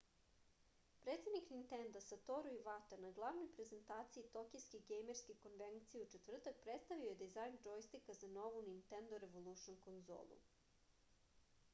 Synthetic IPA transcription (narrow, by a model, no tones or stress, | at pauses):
pɾet̪sed̪niknint̪e̞nd̪asat̪oɾoiʋat̪anaɡlˠaʋnojpɾe̞ze̞nt̪aːt̪siit̪o̞kiskeɡejmeɾskeko̞nʋenkt̪sijeut͡ʃe̞t̪vr̩t̪ak̚pɾet̪st̪aʋioje̞d̪izajnd͡ʒojst̪ikazano̞ʋunint̪end̪oɾe̞ʋolˠuʃonko̞nzo̰ːlˠṵ